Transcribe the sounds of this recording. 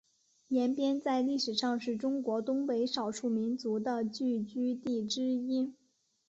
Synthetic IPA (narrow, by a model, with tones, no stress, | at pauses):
jɛ˧˥npjɛ˥nt͡sa˥˧ɪli˥˩ʂɻ̩˨˩ʂɑ˥˧ŋʂɻ̩˥˩ʈ͡ʂʊ˥ŋkwɔ˧˥t̪ʊ˥ŋpe˧˥ɪʂɑ˨˩ʊʂu˥˩mi˧˥nt͡su˧˥d̪ə˧t͡ɕy˥˩t͡ɕy˥t̪i˥˩ʈ͡ʂɻ̩˥i˥n